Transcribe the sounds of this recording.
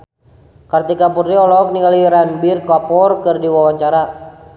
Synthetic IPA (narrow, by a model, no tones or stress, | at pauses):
kart̪ikapudɾiɔlɔk̚niŋaliɾanbirkapɔrkɨrdiwawaɲt͡ʃaɾa